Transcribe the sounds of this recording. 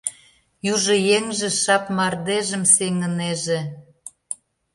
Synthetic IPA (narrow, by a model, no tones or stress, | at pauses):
juʒɤ̆jeŋʒĕʃɑpmɑrd̪eʒə̆mseŋə̆neʒĕ